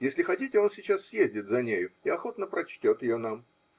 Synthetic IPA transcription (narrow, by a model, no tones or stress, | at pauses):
jesʲlʲɪxɐtʲitʲɪo̞nsʲɪt͡ɕassʲjezʲdʲɪt̪zɐnʲejʊɪɐxo̞t̪nəpɾɐt͡ɕtʲo̞t̪jɪjonam